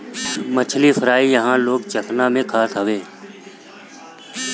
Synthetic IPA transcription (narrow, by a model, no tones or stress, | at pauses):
mət͡ʃʰlifʰəɾaːijəɦãːloːkt͡ʃət̪ʰnaːmẽkʰaːsɦəʋeː